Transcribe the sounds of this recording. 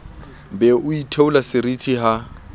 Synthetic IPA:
bɛʔʊitʰeulasɪɾitʰiɦa

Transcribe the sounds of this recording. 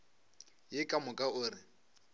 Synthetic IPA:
jɪkʼamʊkʼaʊːrɪ

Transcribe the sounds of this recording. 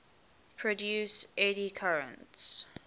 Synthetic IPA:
pʰɹɔdjuːseɾikʰaɹə̰̃nts

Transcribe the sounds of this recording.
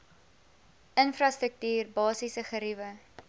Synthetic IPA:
ənfrɐstrək̚tyːrbɑːsisəχəɾivə

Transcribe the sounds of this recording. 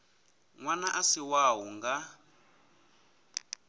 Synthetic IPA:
ŋwanaʔasiwaɦuŋɡa

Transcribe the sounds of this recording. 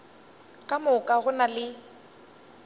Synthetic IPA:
kʼamʊkʼaɣʊnalɪ

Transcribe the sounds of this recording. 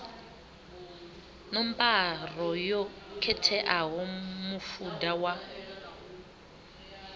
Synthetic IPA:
nɔmpar̤ɔjɔkʰɛtʰɛʔaɦɔmufudawa

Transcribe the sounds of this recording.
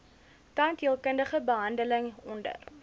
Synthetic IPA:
tɐntɦiəlˠkəndəχəbəɦɐndələŋɔndə̰r

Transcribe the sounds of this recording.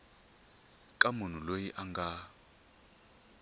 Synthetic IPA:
kʼamun̤ulojiʔaŋɡa

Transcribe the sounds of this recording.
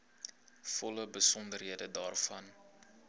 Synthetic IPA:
fɔləbəsɔndərɦiədədɑːrfɐn

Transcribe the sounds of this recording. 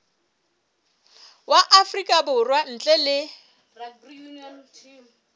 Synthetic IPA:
waʔafrikʼabʊrwan̩t͡ɬʼɛlɪ

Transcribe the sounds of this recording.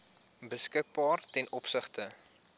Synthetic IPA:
bəskək̚bɑːrtɛnʔɔpsəχtə

